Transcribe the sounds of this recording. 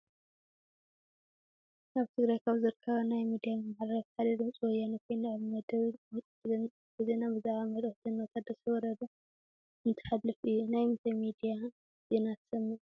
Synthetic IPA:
ʔaβt̪ʰɨɡɾajkʰaβzɨɾɨkʰːɐβɐnajmid̪ijamɨmaħɾɐftʰad̪ɐd̪ɨmt͡sʼuwɔjːanikʰojnɨʕɨmɐd̪ɐ | ɨzenabɨzaʕamɐd̪ɨħt̪ʰɨnɔt̪ʰat̪̚d̪ɐsʰɐwɔɾɐd̪ɐ | ɨnt̪ʰɐ̥ħalːɨfɨjːunajmt̪ʰɐmid̪ija | zenat̪ʰsɐmːi

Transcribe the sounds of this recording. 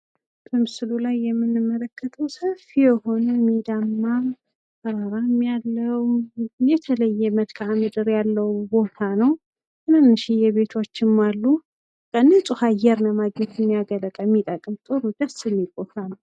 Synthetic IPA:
bʼɨmɨsɨlulajːɛmːɨnːɨmːələkʰːət̪ʰəwsəfijɛho̞nəmid̪amːa | kəɾaɾamːijalːəwjɛt̪ʰələjːɛməd̪kʰaʕamɨd̪ɨɾjalːəwbo̞t̪ʰanəw | ɨnɨnːɨʃijɛβe̞t̪ʰo̞t͡ʃːɪmːalːu | kʼənːət͡sʼɨhajɛɾnəmaɡɲɛt̪ɨmːijaɡələkʼəmːit̪ʼəkʼɨmt̪ʼoɾud̪asɨnːikʼohɾan

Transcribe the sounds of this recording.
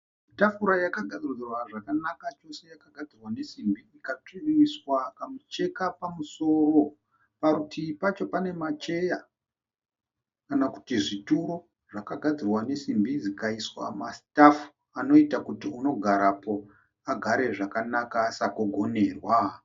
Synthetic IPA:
itafuɾajakaɡʱad͡zirirwaʐakanakat͡ʃo̞se̞jakaɡʱad͡zirwane̞simbiikat͡ʂiriiswakamut͡ʃe̞kapamuso̞ːro̞ | paɾutʰipat͡ʃo̞pane̞mat͡ʃe̞ja | kanaku̥tiʐituɾo̞ | ʐ̥akaɡʱad͡zirwane̞simbizikaiswa̰mastafu̥ | ano̞itakutiuno̞ɡʱaɾapo̞ | aɡʱaɾe̞ʐakanakasakoɡʱo̞ne̞ːrwa

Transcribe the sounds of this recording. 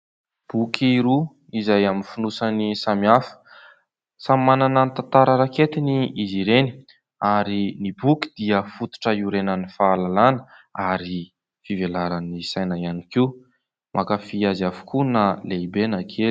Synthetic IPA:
b̥ukʰiiɾu | izajaminfinusanisamiafə̥ | sammananant̪ant̪aɾəɾaket̪iniiziɾeni̥ | aɾinibuki̥d̪̥iəfut̪u̥ʈ͡ʂəuɾenanifaːlalanəaɾi | fivelaɾanisajnaianiki | mʔakafiazafu̥kunaleibenakʰeli̥

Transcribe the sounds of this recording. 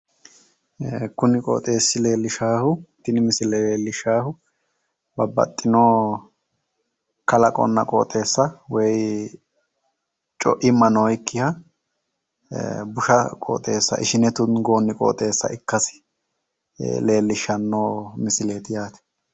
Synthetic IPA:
kʊnɪkʼo̰ːt̪ʼe̞ːsːɪle̞ːlːɪʃaːhʊt̪ːɪnɪmɪsɪlɛeːlːɪʃaːhʊ | bɐbɐ̰t̪ʼːɪnoː | kɐlɐkʼɔ̰nːɐ̰kʼo̰ːt̪ʼe̞ːsːɐwɛj | t͡ʃʼɔ̰ʔɪmːɐnoːjkːɪhɐ | bʊʃɐkʼo̰ːt̪ʼe̞̰ːsːɐ̰ʔɪ̰ʃɪnɛt̪ʊnɡo̞ːnːɪkʼo̰ːt̪ʼe̞ːsːɐ̰ʔɪkːɐs | le̞ːlːɪʃːɐnːoːmɪsɪle̞ːt̪ɪjaːt̪ɛ̥

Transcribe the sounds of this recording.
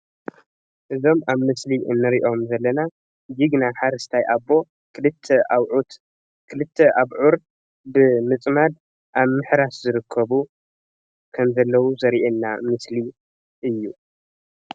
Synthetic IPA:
ʔɨzo̞maβmɨsliʔɨ̰nːɨɾiʔo̞mzɐlːɐna | jiɡnaħaɾɐst̪ʰajʔabo̞ | ɨlɨt̪ʰːeʔawʕut̪ | kʰɨlɨt̪ʰːeʔaβʕuɾ | bɨmɨt͡sʼmad̪ | ʔaβmɨħɾaszɨɾɨkʰːɐβu | kʰɐmzɐlːɐwuzɐɾiʔenːamɨsli | ʔɨjːu

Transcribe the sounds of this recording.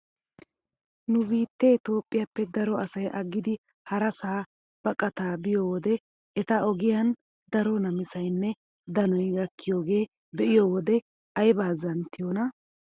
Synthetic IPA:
nʊbiːt̪ːɛɪt̪o̞ːpʼːɪjɐpːɛd̪ɐɾɔɐsɐjʔɐɡːɪd̪ɪ | hɐɾɐsaː | b̥ɐkʼɐt̪aːbɪjoːwɔd̪ɛ | ɛt̪ɐɔɡɪjɐn | d̪ɐɾɔnɐmɪsɐjnːɛ | d̪ɐnɔjɡɐkʰːɪjoːɡe̞ː | bɛʔɪjoːwɔd̪ɛ | ɐjbaːzɐnt̪ːɪjonɐ

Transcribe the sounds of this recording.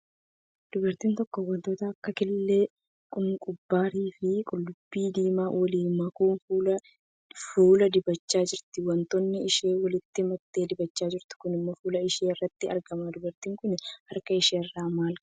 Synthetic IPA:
d̪̥ʊbɐɾt̪iːnt̪ɔkːɔwɐnt̪oːt̪ɐɐkːɐkɪlːeː | kʼʊŋkʼʊbːaːɾiːfɪkʼʊlːʊbːiːd̪iːmaːwɐliːmɐkuːnfuːlɐ | fuːlɐd̪ɪbɐt͡ʃːaːd͡ʒɪɾt̪ɪwɐnt̪ɔnːɪɪʃe̞ːwɐlɪt̪ːɪmɐt̪ːe̞ːd̪ɪbɐt͡ʃːaːd͡ʒɪɾt̪ɪ̥kʊnɪmːɔfuːlɐɪʃeːɪrːɐt̪ːɪɐ̰ɾɡɐmad̪ʊbɐɾt̪iːŋkʊnɪhɐɾkɐɪʃeːrːaːmaːl

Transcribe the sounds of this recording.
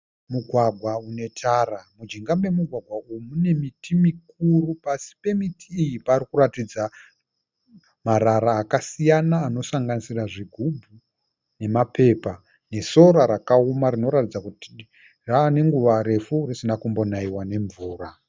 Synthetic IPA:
muɡʱwaɡʱwaune̞tʰaramud͡ʒiŋɡame̞muɡʱwaɡʱwaujmune̞mitimikuɾupasi̥pe̞mitʰiːjipaːrikuratid͡za | maɾaɾaːkasijanaːno̞saŋɡanisiraʐiɡʱubʱu | ne̞mape̞ːpa | ne̞so̞ɾaɾakaumarino̞ɾatid͡zakuti | raːne̞ŋɡuʋaɾe̞furisinakumbo̞naiwane̞ɱvuːra

